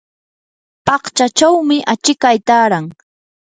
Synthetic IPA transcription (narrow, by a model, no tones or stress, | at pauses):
pɑχt͡ʃat͡ʃawmɪʔat͡ʃɪkajt̪aːɾaŋ